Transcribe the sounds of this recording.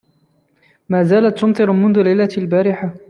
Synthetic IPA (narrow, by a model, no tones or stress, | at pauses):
maːzaːlat̪ːʊmt̪ˤɨɾmʊnðʊlajlːalbaːɾɪħa